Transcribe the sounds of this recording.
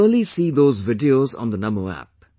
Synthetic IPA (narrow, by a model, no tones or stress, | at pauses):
əlisiːd̪oːzvɪɖioz̰̃n̩d̪ənʌmoæ̰p̚